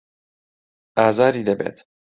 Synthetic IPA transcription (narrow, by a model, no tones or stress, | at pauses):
aːzaːɾiːd̪ɛbɛ̰t̪